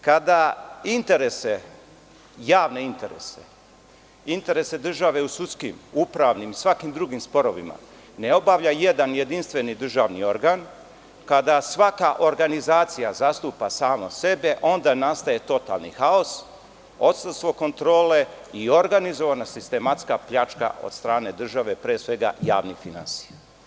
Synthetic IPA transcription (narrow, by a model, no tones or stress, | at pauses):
kad̪aint̪e̞ɾe̞se̞ | jaːʋne̞int̪e̞ɾe̞̰se̞̥̰ | int̪e̞ɾese̞d̪r̩ʒaʋe̞usut̪skḭmupɾaʋnimisʋakimd̪ɾuɡimspo̞ɾo̞ʋḭma̰ | ne̞o̞baʋʎaje̞d̪anje̞d̪inst̪ʋe̞nid̪r̩ʒaːʋnio̞ɾɡaːn | kad̪asʋakaʔo̞ɾɡanizaːt̪sijazast̪upasaːmose̞be̞ʔo̞nd̪anast̪aje̞t̪o̞t̪a̰lnḭxao̞s | o̞t̪st̪ast̪ʋo̞ko̞nt̪ɾoːle̞io̞ɾɡanizo̞ʋanasist̪e̞mat̪skapʎat͡ʃka̰ʔo̰d̪st̪ɾaːne̞d̪r̩ʒaʋe̞pɾeːsʋe̞ɡa̰ja̰ːʋnifina̰nsi̥ja